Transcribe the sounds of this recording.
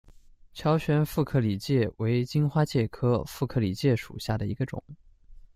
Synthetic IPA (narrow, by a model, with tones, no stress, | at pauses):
t͡ɕʰjɑ˧˥ʊɕɥɛ˧˥nfu˥˧kʰɤ˥˩li˨˩t͡ɕjɛ˥˩we˧˥ɪt͡ɕi˥nxwa˥t͡ɕjɛ˥˩kʰɤ˥fu˥˩kʰɤ˥˩li˨˩t͡ɕjɛ˥˩ʂṵ˨˩ɕja˥˩d̪ə˩i˧˥ɡə˧ʈ͡ʂʊ̰˨˩˦ŋ